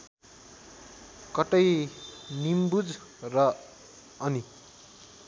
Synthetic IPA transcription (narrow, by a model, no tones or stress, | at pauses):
kʌʈʌjnimbud͡z | rʌ | ʌni